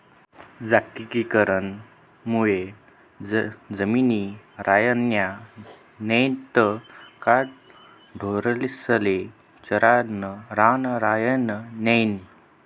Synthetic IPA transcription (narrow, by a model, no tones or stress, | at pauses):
d͡zakikikəɾən | muje | d͡zəminiɾʔajənja | nejt̪əkaʈ̚ | ɖʱoɾlisəle | t͡ɕəɾanəɾanɾajənənejn